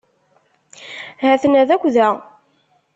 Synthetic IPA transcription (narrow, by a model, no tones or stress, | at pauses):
hæθnæðækʷːðæ